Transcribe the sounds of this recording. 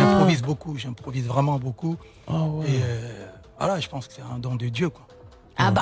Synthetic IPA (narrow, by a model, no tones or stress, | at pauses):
ɛ̃pχɔvizbokuʒɛ̃pχɔvizvʁɛmɑ̃boku | eøva̰laʒəpɑ̃skə̥sɛɛ̃d̪ɔ̃d̪əd̪jøkwa | a